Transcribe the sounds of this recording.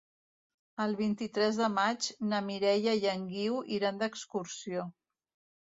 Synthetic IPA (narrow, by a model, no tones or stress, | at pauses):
əlˠβ̞int̪it̪ɾɛzðəmad͡ʒnəmiɾɛʎəjəŋɡiwʔiɾand̪əkskuɾsio